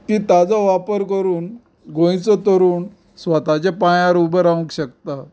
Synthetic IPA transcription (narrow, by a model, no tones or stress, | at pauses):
t̪it̪ad͡zɔʋapəɾkəɾuːn | ɡõjt͡sɔt̪əɾuːn | sʋət̪at͡ɕepãjãɾubəɾaʋũkɕək̚t̪a